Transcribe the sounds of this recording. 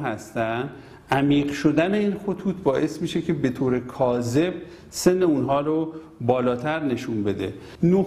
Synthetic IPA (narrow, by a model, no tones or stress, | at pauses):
ɦæst̪ænd̪ | ʔæmiːɢʃo̞d̪æne̞iːnxot̪ʰuːt̪ʰbɒːʔe̞smiːʃe̞cʰe̞be̞t̪ʰoːɾekʰɒːze̞b̚ | se̞nːe̞unɦɒːɾo | bɒːlɒːt̪ʰæɾne̞ʃunbe̞d̪e̞̰ | no